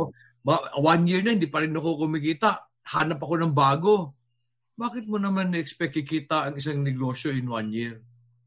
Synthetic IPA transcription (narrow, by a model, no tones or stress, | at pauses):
ʔʔo | bawanjɪɹɐhɪnd̪iːpɐɾɪnːɐkokʊmɪkiːt̪ɐʔ | haːnɐpɐko̞nɐŋbaːɡo̞ | baːkɪt̪̚monɐmanːɐʔɛkspɛk̚kːɪkiːt̪ɐʔɐŋɪsaŋnɛɡo̞ːʃjo̞jɪnwanjɪɹ